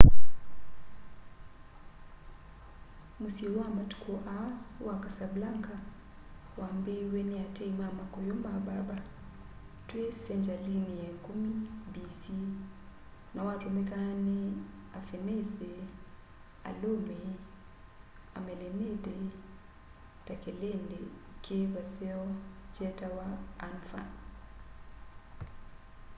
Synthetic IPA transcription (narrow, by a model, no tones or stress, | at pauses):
musilwamatu̥kʰoʔawakasablaŋka | wambeweniateimamakɔjɔmabaɾba | twesɛnd͡ʒaliniɛŋkumibisi | nawatumɛkani | afenese | a̰lome | a̰mɛlemede | takelendekeβasɛɔd͡ʒɛtawaːnfa